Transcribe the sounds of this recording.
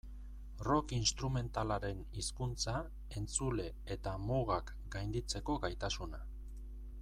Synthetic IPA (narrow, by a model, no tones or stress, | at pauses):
ro̞kinst̪ɾume̞nt̪alaɾe̞niskunt͡sa | e̞nt͡sule̞ | et̪amoɣak | ɡajnd̪it͡se̞ko̞ɡajt̪asuna